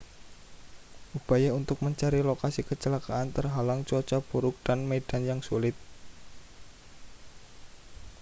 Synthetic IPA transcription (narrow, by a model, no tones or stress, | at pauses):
ʔubajaunt̪ʊk̚məɲt͡ʃaɾilokasikət͡ʃəlakaant̪ərɦalaŋt͡ʃɔt͡ʃab̥uɾʊk̚d̥anmed̥anjaŋsulɪt̪̚